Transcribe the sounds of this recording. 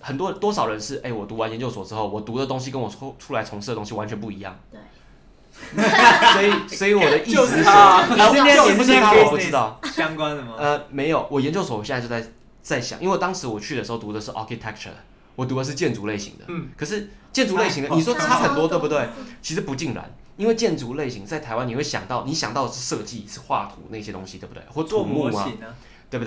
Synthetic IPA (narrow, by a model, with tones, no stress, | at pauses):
xə˨˩nt̪wɔ˥t̪wɔ˥ʂɑ˨˩ʊɻə˧˦nʂɻ̩˥˩ʔe˥˩ɪwɔ˨˩t̪u˧˥wa˧˦njɛ˧˦nt͡ɕjo˥˧ʊswɔ˨˩ʈ͡ʂɻ̩˥xo˥˩ʊwɔ˨˩t̪u˧˥d̪ə˨t̪o˥ŋɕ̬i˥kə˦nwɔ˨˩ʈ͡ʂʰu˥la˧˦ɪt͡sʰo˧˥ŋʂ̩˥˩də˩t̪o˥ŋɕi˧wa˦nt͡ɕʰɛ˧npu˥˩i˧˦jɑ̰˥˩ŋ | swɔ˧˥i˨˩swɔ˧˥i˧˥wɔ˨˩d̪ə˦ʔi˥˩s̩˧˥˨ | pu˥ʂ̩˥t̪ʰa˥wɔ˨˩pu˥˩ʈ͡ʂɻ̩˧˦t̪ɑ˥˩ʊɑ˥ŋkwa˦nəə˧me˧˥ɪjo˨˩ʊwɔ˨˩jɛ˧˦nt͡ɕjo˥ʊswɔ˨˦˨ɕjo˥˧˩t͡sa˥˧˩ | t͡sa˥˩ɪɕjɑ̰˨˩˦ŋi˥nwe˥˧t̪ɑ˥ŋʂɻ̩˧˥wɔ˨˩t͡ɕʰy˥˩ə˩ʂɻ̩˧˥o˥˧ʊt̪u˧˥d̪ə˧ʂɻ̩˥˩ʔa̰˧˥kʰi˧t̪ʰɛ˥k̚t͡ɕʰə̰˨˩ | wɔ˨˩t̪̬u˧˥də˧ʂ̬̩˥˧t͡ɕjɛ˥˩nt͡su˧˥le˥˩ɪɕḭ˧˥ŋd̪ə̰˧kʰɤ˨˩ʂ̬ɻ̩˥˩t͡ɕjɛ˥˩nt͡su˧˥le˥˩ɪɕi˧ŋd̪ə˧ni˨˩ʂwɔ˥t͡sʰa˥xə˨˩nt̪wɔ˥t̪we˥˩bu˧t̪we˥˩ɪt͡ɕʰi˧˥ʂɻ̩˧˥pu˧˥t͡ɕi˥˩ŋɻa̰˧˦n | i˥nwe˥˧ɪt͡ɕjɛ˥˩nt͡su˧˥le˥˩ɪɕi˧˥ŋt͡sa˥˩ɪt̪ʰa˧˥ɪwa˦ni˨˩we˥˩ɪɕjɑ̰˨˩ŋt̪ɑ˥˩ʊni˧˥ɕjɑ˨˩ŋt̪ɑ˥˩ʊə˩ʂɻ̩˥˧ʂɤ˥˧t͡ɕi˥˩ʂɻ̩˥˧xwa̰˥˩t̪ʰṵ˧˥na˥˧˩ɕjɛ˥t̪o̰˥ŋɕi˧t̪we˥˩bt̪e˥˩xɔ˥˩˧t̪ʰu˧˨˩mu˥˧ma˧ | t̪we˥˧b̪e˥